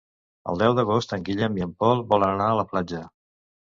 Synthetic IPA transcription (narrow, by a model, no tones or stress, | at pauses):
ə̰lˠd̪ɛwðəɣost̪əŋɡiʎəmjəmpɔlˠbɔlənənaələplad͡ʒə